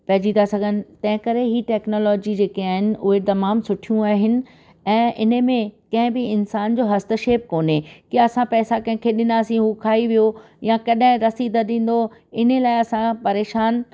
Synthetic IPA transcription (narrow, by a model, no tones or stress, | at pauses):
pɐɦd͡ʑĩt̪ʰasɐɡʱənɪ̆t̪ɐ̃ɦɪ̃kɐɾeɦiʈɛːknoːlɔːd͡ʑid͡ʑeːkiaːɦɪnɪ̆ʊɦet̪ɐmaːmsʊʈʰijũaːɦɪnɪ̆ | ɛ̃ːʔɪnəmẽkɐ̃ɦɪ̃bɪɪnsaːnd͡ʑoːɦɐst̪əʃeːp̚koːnekiɐsãpɛːsakɐ̃ɦɪ̃kʰeɗɪnaːsĩɦukʰaːiʋijo | jãkɐɗɦɪ̃ɾɐsid̪əɗĩːn̆d̪oɪnelaːɪɐsãpɐɾeːʃaːn